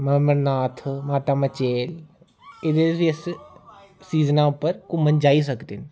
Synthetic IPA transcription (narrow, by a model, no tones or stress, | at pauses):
məmənaːt̪ʰmaːt̪aːmət͡ʃeːl | ed̪eiəs | siːznãːʊpːəɾkumənd͡ʒaːiːs̬əkd̪eːn